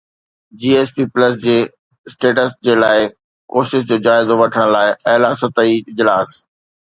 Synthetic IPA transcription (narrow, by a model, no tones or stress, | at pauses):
d͡ʑiːeːspiːplɐsd͡ʑeː | sʈeːʈəsd͡ʑeːlaːɪ | koːʃɪʃ̬d͡ʑoːd͡ʑaːɪzoʋɐʈʰəɽ̃laːɪɐɦlaːsət̪əiɪd͡ʑlaːs